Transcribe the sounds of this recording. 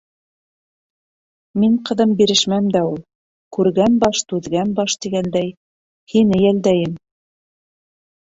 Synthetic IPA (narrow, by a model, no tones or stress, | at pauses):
miɴqɤ̆ðɤmbiɾɘ̆ʃmæmd̪æulˠ | kʉɾɡænbɑʃt̪ʉðɡænbɑʃt̪iɡænd̪æj | hinɘjæld̪æjɘm